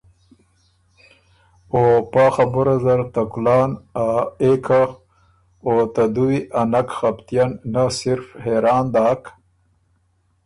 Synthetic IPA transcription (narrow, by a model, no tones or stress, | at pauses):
opaːxabʊɾazaɾt̪akulɑːnaekʰa | ot̪ad̪uwiʔanakxapt̪ijanːasɪɾfheɾɑːnd̪aːk